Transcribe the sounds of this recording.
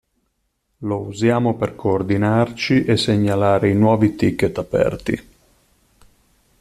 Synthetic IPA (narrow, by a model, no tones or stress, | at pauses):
louzjaːmoperkʰoːrd̪inart͡ʃiʔesːeɲːalaːɾeinwɔːvit̪ikːet̪ːapɛ̰rt̪ḭ